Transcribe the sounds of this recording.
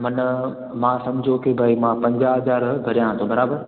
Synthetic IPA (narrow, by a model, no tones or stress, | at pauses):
mɐn | mãːsɐmd͡ʑʱokebʱaːimãpɐ̃ɲd͡ʑaɦɐzaːɾɡʱɐɾijãɦt̪ʰobɐɾaːbəɾ